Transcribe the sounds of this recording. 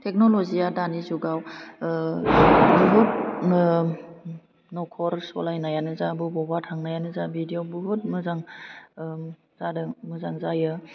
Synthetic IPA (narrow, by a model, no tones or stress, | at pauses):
tʰek̚nolɔzijadanizuɡaw | bɯɦut̚ | nɔkʰɔɾsɔlajnajanɯzabɯbɔbatʰaŋnajanɯzabidijobuɦut̚mɯzaŋ | zadɯmɯzaŋzajɯ